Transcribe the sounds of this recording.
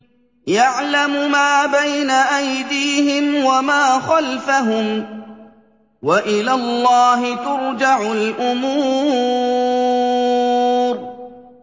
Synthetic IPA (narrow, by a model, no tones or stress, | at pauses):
jaʕlamʊmaːbajnaʔajd̪iːɦɪmwamaːxalfaɦʊm | waʔɪlaːlˤːɑːɦɪt̪ʊɾd͡ʒaʕʊlʔʊmuː | ɾ